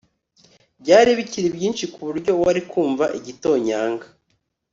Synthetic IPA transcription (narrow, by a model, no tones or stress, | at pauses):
bɟaːɾiβiciɾibjiːnʃikuβuɾɟo̞waɾikuːɱvaʔiɟito̞ːɲaːŋɡa